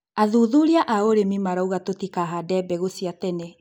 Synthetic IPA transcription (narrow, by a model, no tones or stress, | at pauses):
aðuðuɾiaʔaoɾemimaɾauɣatotikaɦadɛbɛɣosiatɛnɛ